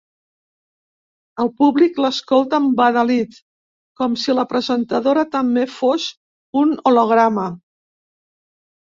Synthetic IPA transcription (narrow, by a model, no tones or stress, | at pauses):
əlˠpuβlikləskolˠt̪əmbaðəlit̪ | kɔmsiləpɾəzənt̪əðoɾət̪əmbefos | unoloɣ̞ɾamə